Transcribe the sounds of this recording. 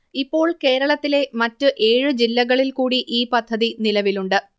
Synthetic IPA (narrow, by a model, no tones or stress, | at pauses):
ipːo̞ːɭke̞ːɾɐɭɐt̪ːile̞mɐtːɨʔe̞ːɻɨd͡ʑilːɐɣɐɭilkuːɽiʔiːpɐd̪ʱːɐðinilɐʋiluɳɖɨ